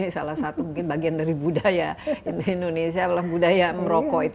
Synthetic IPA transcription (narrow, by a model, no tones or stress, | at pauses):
nisalahsat̪umuŋkɪnbaɡiandaɾibudajainindonesiaalahbudajaməɾokɔit̪